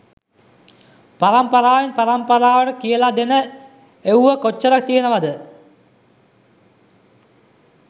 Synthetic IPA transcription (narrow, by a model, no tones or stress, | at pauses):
pɐrɐmpɐraːʋinpɐrɐmpɐraːʋɐɽɐkijɐlaːd̪enɨ | ewʋɐkot͡ɕːɐrɐk̚t̪ːijɐnɐʋɐd̪ɨ